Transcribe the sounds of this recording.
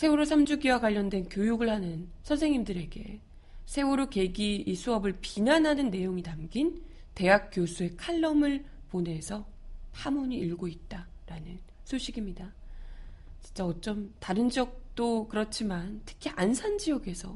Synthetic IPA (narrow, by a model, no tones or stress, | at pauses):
sʰe̞oɾosʰamd͡ʑuɡiwakwaʎːʌndwe̞nkjojuɡɯɭhanɯnsʰʌnsʰeŋɲimdɯɾe̞ɡe̞̰ | sʰe̞oɾoke̞ɡiːsʰuʌbɯɭpinanɦanɯnːe̞joŋitamɡin | te̞ɦak̚k͈josʰue̞kʰaɭːʌmɯɭ | pone̞sʰʌ | pʰamuɲiiɭɡoit̚t͈a | ɾanɯnsʰoɕʰiɡimɲida | t͡ɕi̥nt͡ɕ͈aʌt͡ɕ͈ʌmtaɾɯnd͡ʑʌk̚t͈okɯɾʌt͡ɕʰimantʰɯ̥kʰiʔansʰand͡ʑijʌɡe̞sʰʌ